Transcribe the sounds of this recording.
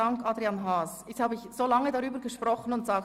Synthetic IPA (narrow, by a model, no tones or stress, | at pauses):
ɑŋkʔɑdʁianɦaːsɛthaːbəɪçz̥oːlɑŋədaʁyːbəɾɡəʃpʁɔχən̩ʊntz̥aːk